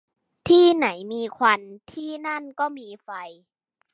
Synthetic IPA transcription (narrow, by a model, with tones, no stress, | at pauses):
t̪ʰiː˥˩na˩˦jmiː˧kʰwa˧nt̪ʰiː˥˩na˥˨nkɔː˥˩miː˧fa˧j